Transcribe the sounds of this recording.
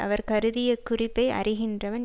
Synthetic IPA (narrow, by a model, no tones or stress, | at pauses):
ɐ̰ʋɐɾkɐɾɯðɪjɐkːʊrɪpːɐɪʔɐ̰rɪɣɪndrɐʋɐn